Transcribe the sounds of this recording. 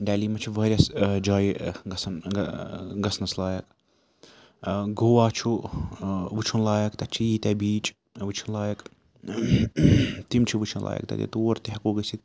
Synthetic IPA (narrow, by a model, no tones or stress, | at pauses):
ɖæːliːmɐt͡ʃʰuʋɐːɾʲjɐsd͡ʒaːjiɡɐsɐn | ɡɐsnɐslaːjɐk | ɡoːwaːt͡ʃʰu | ʋɨt͡ʃʰunlaːjɐkt̪ɐt͡ʃʰiit̪ɛbiːt͡ʃʼ | ʋɨt͡ʃʰunlaːjɐk | t̪imt͡ʃʰiʋɨt͡ʃʰɐnlʔa̰ːjɐ̰k̚t̪ɐ̰k̪ḛt̪oːɾt̪eɦɐkuːɡɐsi